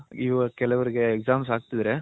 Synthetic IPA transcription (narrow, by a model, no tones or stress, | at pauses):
iʋɐkɛlɐʋɐɾɯɡeːksaːmsaːɡ̚t̪ɐd̪ɾe